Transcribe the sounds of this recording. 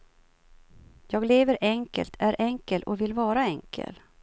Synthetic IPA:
jɑːɡleːvəɾɛŋkə̰lt̪ʰæɾʔɛŋkəlɔvɪlvɑːɾaɛŋkʰə̰l

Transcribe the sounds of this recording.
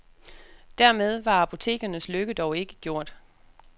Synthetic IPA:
d̥æɐmeð̞ˠʋɑ̈æpʰo̝t͡sʰe̝̰ːɡ̥ɐnəsløɡ̥əd̥ɒʊe̝ɡ̥ə̥ɡ̥jo̝ɐ̰d̥

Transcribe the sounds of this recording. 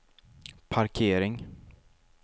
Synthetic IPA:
pʰaɾkʰeːɾɪŋ

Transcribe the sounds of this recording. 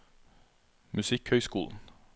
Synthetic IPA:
mʉsɪkhœʏskṵːln̩

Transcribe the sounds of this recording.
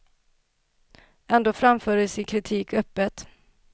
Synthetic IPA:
ɛnd̪oːfɾamfœːɾəsɪkʰɾɪt̪ʰiːkœpːət̪

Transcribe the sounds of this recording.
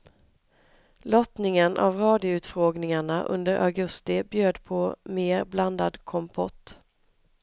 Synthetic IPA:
lɔt̪nɪŋənʔa̰vɾɑːd̪ɪʊʉ̟ːt̪fɾoːɡnɪŋaɳaʔɵ̰nd̪əɾʔa̰ɡɵst̪ɪbjøːd̪pʰɔmeːɾbland̪a̰d̪kʰɔmpʰɔ̰t̪ː

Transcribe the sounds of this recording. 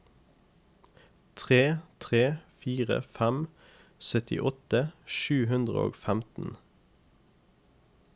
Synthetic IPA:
t̪ʰʁeːt̪ʰʁeːfiːʁə̰fæm | sœt̪ʰɪ̰ʔɔt̪əʃʉːɦʉnd̪ʁə̰o̰ːɡfæmt̪n̩

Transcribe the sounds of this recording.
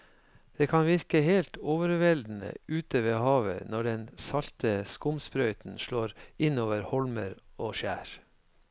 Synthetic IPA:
d̪̥eːkʰɑnʋɪɾkəheːlt̪oːʋəɾʋɛld̪n̩ə̰ʉːt̪əʋeːhɑːʋə̰nɔɖɛnsɑlt̪əskʊmspɾœʏt̪n̩ʃɭoːɾɪnoːʋəɾhɔlməɾoːʃæːɾ

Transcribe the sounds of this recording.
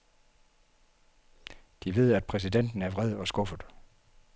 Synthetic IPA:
d̥iʋe̝ð̞̰ˠæd̥̚pʰʁɛs̬iden̰d̥n̩æɐʋʁɛð̞̰ˠɒ̽sɡ̥ɔ̽fəð̩ˠ

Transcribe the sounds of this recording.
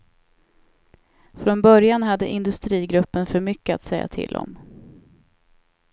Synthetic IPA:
fɾɔnbœɾjanɦad̪ːəʔɪnd̪ɵst̪ɾiːɡɾɵpːənfœɾmʏkːəa̰t̪sɛjːa̰t̪ʰɪ̰ld̪ɔ̰m

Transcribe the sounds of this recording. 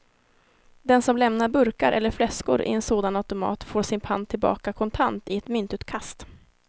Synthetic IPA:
d̪ɛnsɔmlɛmnaɾbɵɾkaɾʔɛ̰lːəɾflɛskʊɾʔɪ̰ɛnsoːd̪anat̪ʊmɑ̰ːt̪foːʂɪnpʰa̰nt̪ʰɪlbɑ̰ːkakʰɔnt̪ʰant̪ɪɛt̪mʏnt̪ʉ̟ːt̪kʰast̪

